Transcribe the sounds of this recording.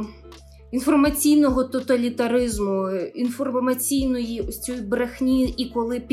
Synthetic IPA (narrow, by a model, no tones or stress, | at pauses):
infɔrmɐt͡sʲijnɔɦɔt̪ɔt̪ɐlʲit̪ɐɾɪzmʊinfɔrmɐt͡sʲijnɔjiʊsʲt͡sʲujbɾexnʲiʔikɔlˠɪpʲ